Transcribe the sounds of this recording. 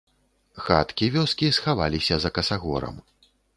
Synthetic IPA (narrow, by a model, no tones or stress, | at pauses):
xa̰t̪kʲivʲɔskʲisxavalʲisʲɐzɐkɐsaɣɔ̰ɾɐ̰m